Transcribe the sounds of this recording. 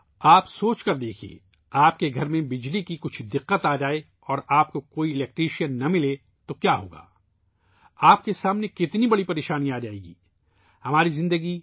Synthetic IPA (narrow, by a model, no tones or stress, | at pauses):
aːpsoːt͡ʃkɐɾd̪eːkʰiḛ | aːpkeɡʱɐɾmẽbɪd͡ʒlikikʊt͡ʃʰd̪ɪqːət̪aːd͡ʒaːe | ɔːɾaːp̚kokoːiɪlɛːk̚ʈɾiːʃijənːɐmɪle | t̪okjaːɦo̰ːɡa̰ː | aːp̚kesaːmnekɪt̪nibɐɽipɐɾeːʃaːniaːd͡ʒaːḛːɡḭː | hɐmaːɾizɪ̃nd̪əɡi